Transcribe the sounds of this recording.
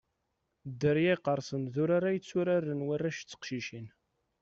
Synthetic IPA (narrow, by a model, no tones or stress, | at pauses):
d̪ːəɾjæjqːəɾˤsənðʊɾaɾajət͡sːʊɾarːənwərːaʃt͡sːə̥qʃiʃin